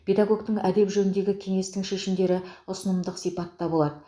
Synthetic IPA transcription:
pʰʲe̞d̪aɡo̞ɡt̪əɴæd̪e̞pʒɵnɪnd̪e̞ɡʲɪkʲʰe̞ŋe̞st̪ɪŋʃe̞ʃɪmd̪e̞ɾɪʊsənəmd̪əqsijpɑt̪ːɑbo̞lˠɑd̪ə

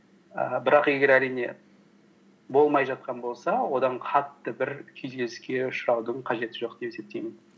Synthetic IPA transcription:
əbɪɾɑqe̞ɡʲe̞ɾæɾijne̞̰ | bo̞lˠmɑjʒɑt̪̚qʰɑnbo̞lˠsɑwo̞d̪ɑɴqʰɑt̪ːəbɪɾkʲʰʏzɡʲezɪskʲe̞ʊʃɾɑwd̪əɴqʰɑʒe̞t̪ɪʒo̞q̚d̪̥e̞pese̞p̚t̪e̞jmɪn

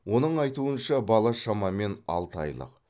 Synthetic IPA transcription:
wo̞nəɴɑjt̪uənʃɑbɑlˠɑʃɑmɑme̞nɑ̰lˠt̪ɑ̰jlˠə̰q

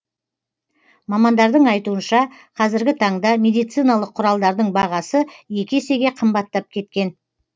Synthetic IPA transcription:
mɑmɑnd̪ɑɾd̪əɴɑjt̪uənʃɑ | qʰɑzɪɾɡʲɪt̪ʰɑɴd̪ɑmʲe̞d̪ijt̪sijnɑlˠəqʰːʊɾɑlˠd̪ɑɾd̪əɴbɑʁɑsəje̞kʲese̞ɡʲe̞qʰəmbɑt̪ːɑp̚kʲʰe̞t̪kʲe̞n

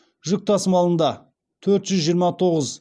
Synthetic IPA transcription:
ʒʏk̚t̪ʰɑsəmɑlˠənd̪ɑ | t̪ʰɵɾt̪ʒʏzʒijəɾmɑt̪ʰo̞ʁəz

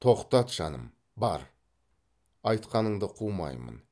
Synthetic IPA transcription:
t̪ʰo̞qt̪ɑt̪ʒɑ̰nə̰m | bɑ̰ɾ | ɑjt̪qɑnəɴd̪əqʰumɑ̰jmə̰n

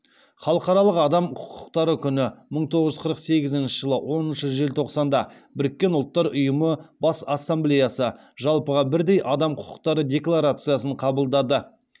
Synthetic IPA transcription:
χɑlˠəqɑɾɑlˠəqɑd̪ɑmqʰʊ̥qʊ̥qt̪ɑɾəkʲʰʏnɪməɴt̪ʰo̞ʁəʒʏzqʰəɾəqse̞ɡʲɪzɪnʃɪʒəlˠəwo̞nənʃəʒe̞lt̪ʰo̞qsɑnd̪ɑbɪɾɪkʲːe̞nʊlˠt̪ːɑɾʊjəməbɑsasːamblʲejasə | ʒɑlˠpəʁɑbɪɾd̪e̞jʔɑd̪ɑmqʰʊ̥qʊ̥qt̪ɑɾədʲe̞klˠaɾat̪sɨjasəɴqʰɑbəlˠd̪ɑd̪ə

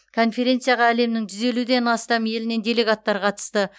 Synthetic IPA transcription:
kʰo̞nfe̞ɾʲe̞nt̪sɨijaʁɑæle̞mnɪŋʒʰʏze̞lud̪e̞nɑst̪ɑme̞lɪne̞nd̪ʲe̞le̞ɡat̪ːɑɾqʰɑt̪ə̥st̪ə

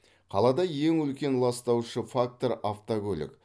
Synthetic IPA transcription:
qʰɑlˠɑd̪ɑje̞ŋɵlkʲe̞nlˠɑst̪ɑwʃəfak̚t̪o̞ɾaft̪oɡʲɵlɪ̰k

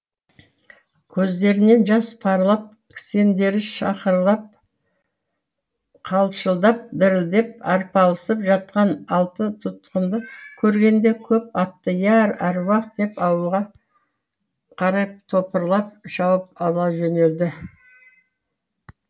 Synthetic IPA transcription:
kʲʰɵzd̪e̞ɾɪne̞nʒɑspʰɑɾlˠɑp̚ | kʲʰse̞nd̪e̞ɾɪʃɑqəɾlˠɑp̚ | qʰɑlˠʃəlˠd̪ɑp̚d̪ɪɾɪld̪e̞p̚ɑɾpɑlˠəsəpʒɑt̪̚qɑnɑlˠt̪ət̪ʰʊt̪qənd̪əkʲʰɵɾɡʲe̞nd̪e̞kʲʰɵp̚ɑt̪ːəjæɾæɾwɑqt̪̚d̪e̞pɑwəlˠʁɑ | qʰɑɾɑjp̚t̪ʰo̞pəɾlˠɑp̚ʃɑwəp̚ɑlˠɑʒɵne̞ld̪ɪ

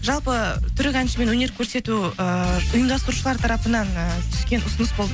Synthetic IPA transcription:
ʒɑlˠpət̪ʰʏɾɪkʲænʃəme̞nwɵne̞ɾkʲʰɵɾse̞t̪uəʊjəmd̪ɑst̪əɾuʃəlˠɑɾt̪ʰɑɾɑpənɑnt̪ʰʏ̥ʃkʲe̞nʔʊsənəsbo̞lˠd̪ə

